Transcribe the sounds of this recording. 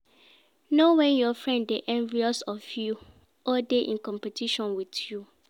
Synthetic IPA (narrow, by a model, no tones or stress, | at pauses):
nowɛ̃njɔfɹɛ̃nddeʔɛ̃ɱviɔsɔfju | ɔdeʔḭ̃nkɔ̃mpɛtʰiʃɔ̃nwiθju